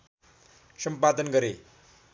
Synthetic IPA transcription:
səmpad̪ənɡəɾe

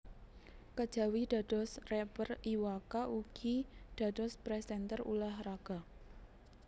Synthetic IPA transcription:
kəd̥ʒ̥a̤wid̥a̤d̥ɔ̤srɛpəriwakaʔuɡ̥id̥a̤d̥ɔspɾɛsɛnt̪ərṵlahraɡ̥a̤

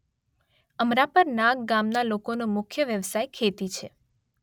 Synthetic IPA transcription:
əmɾapəɾnãɡɡamnalokonomʊkʰjəʋjəʋsajkʰet̪it͡ʃʰe

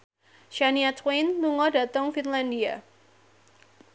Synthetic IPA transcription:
ʃaniat̪wejnluŋɔdat̪ɔŋfinlandia

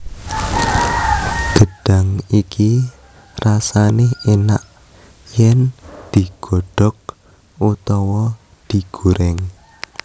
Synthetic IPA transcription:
ɡ̥ə̤ɖ̥a̤ŋiki | rasanɪɦenaʔ | jɛnd̪̥i̤ɡ̥ɔ̤ɖ̥ɔ̤k̚ | ut̪ɔwɔ | d̪̥i̤ɡ̥uɾɛŋ

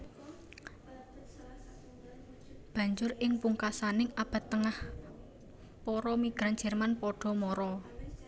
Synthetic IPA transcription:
b̥ä̤ɲd͡ʒʊrɪŋpuŋkasanɪŋab̥a̤t̪ːəŋah | pɔɾɔmiɡ̥ɾan̥d͡ʒ̥ɛ̤rmanpɔɖ̥ɔ̤mɔɾɔ

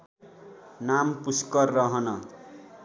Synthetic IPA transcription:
nampuskʌrːʌɦʌnʌ

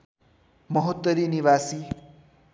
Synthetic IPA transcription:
mʌɦot̪ːʌɾiniβasi

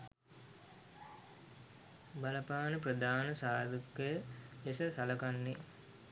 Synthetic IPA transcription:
balɐpaːnəprəd̪aːnəsaːd̪ukːəjəlesəsalɐkanːe

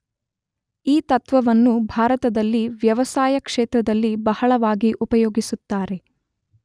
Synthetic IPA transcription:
iːt̪ɐt̪ʋɐʋɐnːubʱaːɾɐt̪ɐd̪ɐlːiʋjɐʋɐsaːjɐkʂɛːt̪ɾɐd̪ɐlːibɐhɐɭɐʋaːɡiʔupɐjoːɡisut̪ːaːɾe̞

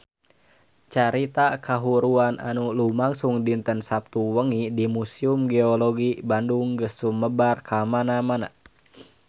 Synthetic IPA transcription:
t͡ʃaɾit̪akaɦuɾuanʔa̰nulumaŋsuŋdint̪ənsap̚t̪uwəŋidimusiumɡeɔlɔɡibanduŋɡəsːumːəbarkʰamanamana̰

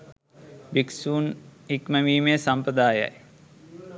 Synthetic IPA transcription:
biksuːnikməmiːmeːsɐmpɾəd̪aːja̰j

